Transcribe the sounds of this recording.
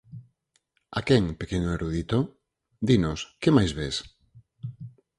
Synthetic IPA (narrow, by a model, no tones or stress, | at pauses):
a̰kɛŋpekenʊeɾuð̞it̪o | d̪inʊskemajzβes